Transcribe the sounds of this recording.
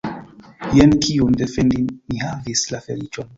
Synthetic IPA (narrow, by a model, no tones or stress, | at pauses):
jenkʰiundefɛndimːihavislafelit͡ʃon